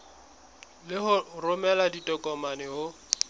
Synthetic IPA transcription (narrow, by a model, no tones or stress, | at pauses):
lɪɦʊrʊmɛladitʼɔkʼɔmanɪhʊ